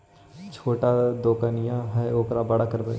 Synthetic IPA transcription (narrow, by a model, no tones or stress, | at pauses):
t͡ʃʰoːʈad̪oːkənɪjãɦɛoːkɾabəɽakəɾd̪a